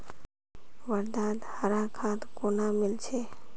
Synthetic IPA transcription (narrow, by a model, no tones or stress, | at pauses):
ʋəɾd̪aːd̪haɾakʰãt̪konamɪlt͡ʃʰe